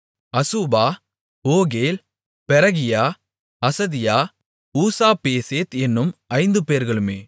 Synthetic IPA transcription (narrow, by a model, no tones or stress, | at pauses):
ɐsubaː | oːɣeːl | pɛɾɐɣɪjaː | ɐsɐðɪjaː | uːsaːpeːseːt̪ɛnːɯmɐɪnd̪ɯpeːɾɣɐɭɯmeː